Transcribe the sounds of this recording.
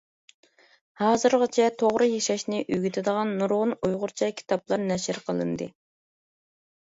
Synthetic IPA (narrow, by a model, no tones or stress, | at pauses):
hɑːzɨɾʁɑt͡ʃʰɛt̪ʰoʁɾɨjeʃɛʃnɪʔyɡʲyt̪ʰɪd̪əʁɑnːuɾʁʊnujʁʊɾt͡ʃʰɛkʲʰi̥t̪ʰɑplˠɑɾnɛʃɪɾqʰəlˠɨ̰nd̪ɨ̰